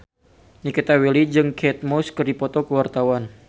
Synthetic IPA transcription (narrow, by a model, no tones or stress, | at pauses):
nikit̪awelid͡ʒɨŋkʰɛt̪̚mɔskərdipɔt̪ɔkəwart̪awan